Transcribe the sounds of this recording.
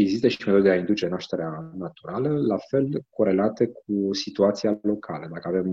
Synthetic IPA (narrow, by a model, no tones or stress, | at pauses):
e̞ɡzist̪əʃimeo̞d̪eeaind̪ut͡ʃe̞naʃt̪e̞ɾeanat̪uɾaləlafe̞lko̞ɾe̞lat̪e̞k̚ʰusit̪uat̪sialo̞kʰaləd̪akəave̞m